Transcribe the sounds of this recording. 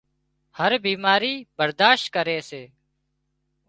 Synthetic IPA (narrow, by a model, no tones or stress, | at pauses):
həɾbiːmaːɾiːbəɾd̪aːʃt̪̚kəɾeːseː